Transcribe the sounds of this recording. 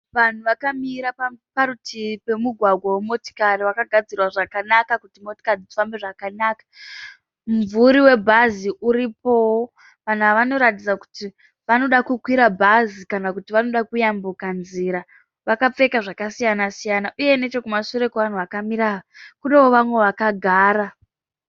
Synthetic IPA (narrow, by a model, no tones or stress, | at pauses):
ʋan̤uʋakamiɾaapaɾutʰipe̞muɡʱwaɡʱwawemo̞ti̥kariʋakaɡʱad͡zirwaʐakanakakutimo̞ti̥kariifambe̞ʐakanaːkḁ | mvuɾiwe̞bʱaziʔuɾipo̞wo | ʋan̤uaʋano̞ɾatid͡zaku̥ti | ʋano̞ɗakukwiɾabʱazikanakutiʋano̞ɗakujambukanziɾa | ʋakap͡fe̞kaʐakasijanasijanaʔuje̞ne̞t͡ʃo̞kumasuɾe̞keʋan̤uʋakamiɾaʋakune̞woʋamwe̞ʋakaɡʱaːɾa